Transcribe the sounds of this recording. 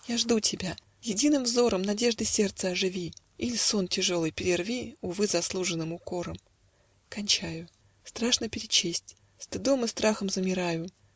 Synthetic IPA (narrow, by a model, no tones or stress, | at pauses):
jaʐd̪utʲɪbʲa | jɪdʲinɨmvzo̞ɾəmnɐdʲe̞ʐd̪ɨsʲert̪səɐʐɨvʲi | ilʲɪso̞ntʲɪʐo̞lˠɨjpʲɪɾʲɪrvʲiʊvɨzɐslˠuʐɨnːɨmʊko̞ɾəm | kɐnʲt͡ɕajʊ | st̪ɾaʂnəpʲɪɾʲɪt͡ɕesʲtʲ | st̪ɨd̪o̞mɨst̪ɾaxəmzəmʲɪɾajʊ